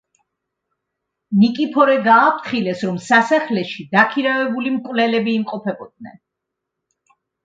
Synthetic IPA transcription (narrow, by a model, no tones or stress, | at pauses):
nikʼipʰɔɾɛɡaːp̚ʰt̪χilɛsɾɔmsasaχlɛʃid̪akʰiɾavɛbulimkʼwvlɛlɛbiːmqʼɔpʰɛbɔd̪̚nɛ̰n